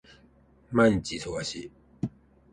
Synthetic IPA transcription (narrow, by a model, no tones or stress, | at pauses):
mant͡ɕisʰowaɕi